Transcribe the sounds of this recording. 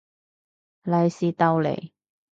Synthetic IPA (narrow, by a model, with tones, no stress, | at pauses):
la˨˧jsi˧t̪a˧wlḛ˨˩j